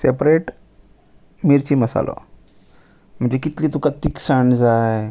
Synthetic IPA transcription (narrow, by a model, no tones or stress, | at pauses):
sepɾeʈ | miɾt͡ɕiːməsa̰lɔ̰ | m̤əɳd͡ʑekit̪liːt̪ukat̪iksaɳd͡zaj